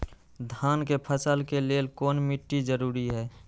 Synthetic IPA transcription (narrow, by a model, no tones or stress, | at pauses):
d̪ʱaːnkepʰəsəlkeleːlkoːnmɪʈːid͡ʒəɾuːɾiɦɛː